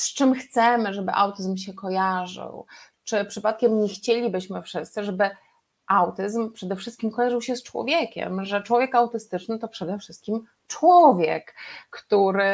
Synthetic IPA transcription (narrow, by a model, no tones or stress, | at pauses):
st͡ʂɘmxt̪sɛmɘʐɛbɘ̰ʔawt̪ɘzmɕɛkɔjaʐɘ̰w | t͡ʂɘpʂɘpat̪̚kʲɛmɲɛxt͡ɕelʲibɘɕmɘfʂɘst̪sɘʐɛbɘ | ʔawt̪ɘzmpʂɛd̪ɛfʂɘst̪̚kʲimkɔjaʐɘwɕɛst͡ʂwɔ̰vʲjekʲɛ̰mʐɛt͡ʂwɔvʲjɛkawt̪ɘst̪ɘt͡ʂnɘt̪ɔpʂɛd̪ɛfʂɘst̪̚kʲim | t͡ʂwɔvʲjɛ̰kːt̪uɾɘ